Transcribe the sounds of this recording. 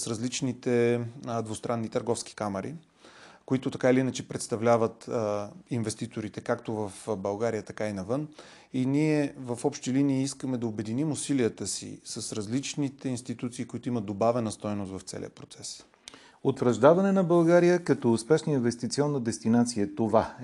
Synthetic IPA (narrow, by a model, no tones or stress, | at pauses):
sɾɐzlit͡ʃnit̪ɛd̪vost̪ɾʔanːit̪əɾɡɔfsk̟i̥kamɐɾʔḭ | koʊit̪ʊt̪ɐkailiinət͡ʃɛpɾɛt̪st̪ɐvlʲavət̪ | invɛst̪it̪oɾit̪ɛkakt̪ovɐfbɐlˠɡaɾijət̪ɐkainɐvɤn | iniɛvɐfɔpʃt̪iliniːiskəmɛd̪ɐobɛd̪inimʊsiliət̪əsḭsəsɾɐzlit͡ʃnit̪ɛinst̪it̪ut̪siːkʊit̪oʊimət̪̚d̪obavɛnəst̪ɔjnʊst̪vɐft̪sɛ̰lḭə̰pɾot̪sɛs | ot̪vɾɐʒd̪avɐnɛnɐbɐlˠɡaɾijəkɐt̪ɔspɛʃnəinvɛst̪it̪siɔnːəd̪ɛst̪inat̪sijət̪ova